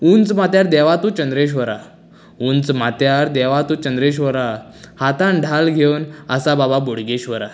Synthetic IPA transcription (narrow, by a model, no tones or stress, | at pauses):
unt͡smat̪jaɾd̪ɛʋat̪ũt͡ɕənd̪ɾeɕ̬ʋəɾa | unt͡smat̪jaɾd̪ɛʋat̪uːt͡ɕənd̪ɾeɕ̬ʋəɾa | hat̪ãnɖʱalɡʱewnəsabababoɽɡeɕʋəɾa